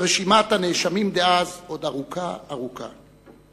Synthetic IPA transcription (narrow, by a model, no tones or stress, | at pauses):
ʁeʃimat̪aneʃamimd̪eazod̪aʁukʰaːʁuka̰